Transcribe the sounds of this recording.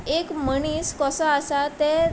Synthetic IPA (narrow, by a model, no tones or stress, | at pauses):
ekməɳ̃iːskɔsɔasat̪e